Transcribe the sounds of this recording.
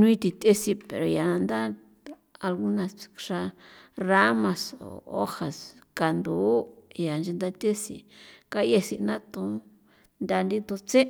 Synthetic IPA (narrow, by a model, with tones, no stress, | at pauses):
nũ˦ĩ˦˧t̪i˧t̪e˦si˧pḛ˨ɾo˨ja˨ã˧nd̪a˦ | a˧lɣu˦nã˧sʂa˧ra˦mã˧so̰˨o̰˦ha˨ska˨nd̪uː˨˦ja˨nd͡ʒe˧nd̪a˦˧t̪ʲe˦sḭ˧ka˦je˧si˧nã˦t̪ũ˧˦ | nd̪ʲa˧nd̪i˦t̪o˧t͡se˦